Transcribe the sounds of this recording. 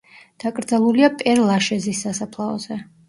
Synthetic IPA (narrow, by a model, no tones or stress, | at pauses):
d̪̥akʼɾd̪zalˠuliapʼɛɾlˠaʃɛzisːasapʰlˠaɔ̰z̥ɛ